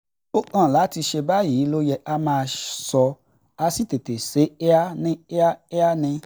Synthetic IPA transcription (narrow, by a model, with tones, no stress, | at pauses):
o˦kã˦˨la˨˦ti˧ʃe˧ba˦jiː˨˦lo˦jɛ˧a˦mãː˦˧sɔ˧ | a˧si˦te˨te˨se˨˦e˦a˦nĩ˦e˦a˦e˦a˦nĩ˧